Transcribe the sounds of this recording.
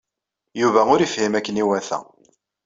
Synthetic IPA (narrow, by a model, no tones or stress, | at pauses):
juvæʊɾifhimækːəniwæθæ̰